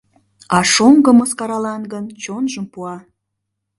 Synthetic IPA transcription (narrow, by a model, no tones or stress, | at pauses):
ɑʃoŋɡəməskɑɾɑlɑnɡənt͡ɕonʒəmpuɑ